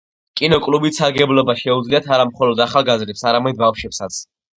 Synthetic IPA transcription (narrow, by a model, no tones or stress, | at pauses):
kʼinɔkʼlubit̪saɾɡɛblɔbaʃɛud̪zliat̪ʰaɾamχɔlɔd̪aχalˠɡazɾɛpsaɾamɛd̪̚bafʃɛpsat̪sʰ